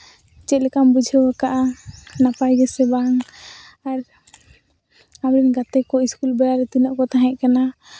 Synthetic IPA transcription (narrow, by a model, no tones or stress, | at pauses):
t͡ʃɛt̪̚lɛkambud͡ʒʱəakaʔanapajɡɛsɛbaŋ | aɾ | amɾinɡat̪ɛkɔiskulbjaɾɛt̪unɔʔkɔt̪aɦɛ̃ʔ̚kana